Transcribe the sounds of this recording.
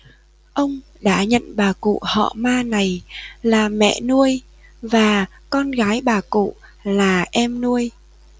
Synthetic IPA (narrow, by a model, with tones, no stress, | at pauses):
ʔə˧wŋ͡m | ɗa̰ː˧˥ɲə̰˧˨nɓaː˨˩kṵ˧˨hɔ̰˧˨maː˧na˨˩jlaː˨˩mɛ̰˧˨nu˧əj | vaː˨˩ | kɔ˧nɣaː˨˦jɓaː˨˩kṵ˧˨ | laː˨˩ʔɛ˧mnu˧əj